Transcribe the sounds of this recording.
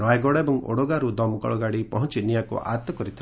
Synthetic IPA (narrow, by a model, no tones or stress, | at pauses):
najɡɔɽaebɔŋo̰ɽoɡaɾud̪ɔmukɔ̰ɭɔɡaɽipɔɦɔnt͡ʃinijakṵʔa̰t̪ɔkɔɾit̪ʰi